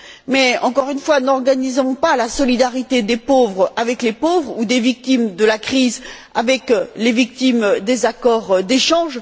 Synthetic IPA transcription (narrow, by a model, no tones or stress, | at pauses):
mɛɑ̃kɔʁynfwanɔʁɡanizɔ̃palasɔlid̪aʁit̪ed̪epovʁavɛklepovʁud̪evik̚t̪imd̪əlakχiz | avɛklevik̚t̪imd̪ezakɔʁd̪eʃɑ̃ʒ